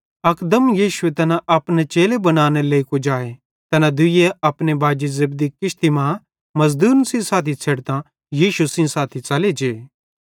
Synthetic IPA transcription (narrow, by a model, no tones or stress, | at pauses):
ɐkd̪əmjiːʃuet̪ɐnaʔɐpnet͡ʃeːlebɐnaːñeleːikod͡ʒaːe | t̪ɐnãd̪ʊijeɐpnebaːd͡ʒizɐbd̪ikɪʃt̪imã | mɐzd̪uːnsĩsaːt̪ʰit͡sʰeːɽt̪ã | jiːʃusĩsaːt̪ʰit͡sɐled͡ʒeː